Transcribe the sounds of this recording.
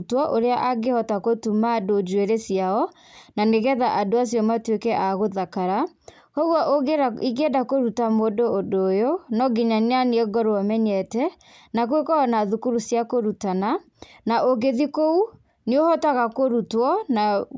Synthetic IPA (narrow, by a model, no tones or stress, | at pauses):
twɔʔoɾeaʔaɡehɔtakotumaːdod͡ʒweɾesijaɔ | naneɣɛðaʔadoas̬jɔmatwekɛʔaɣoðakaɾa | hɔɣwɔʔoɡeaiɡedakoɾutamodoːdojonɔɡiɲananiɛɡɔɾoɔmɛɲɛtɛ | nakwekɔɔnaðukuɾusjakoɾutana | naʔoɡeðikou | neohɔtaɣakoɾutwɔna